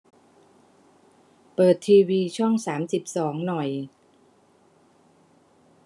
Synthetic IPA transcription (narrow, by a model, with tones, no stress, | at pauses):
pɤː˨˩t̪ʰːiː˧wiː˧t͡ɕʰɔ˥˩ŋsaː˩˦msi˨˩p̚sɔː˩˦ŋnɔ˨˩j